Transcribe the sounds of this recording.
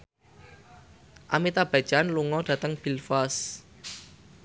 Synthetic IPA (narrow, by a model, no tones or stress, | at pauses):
ʔa̰mit̪ab̥a̤̥d͡ʒ̥anluŋɔd̥ä̤t̪əŋb̥ilfas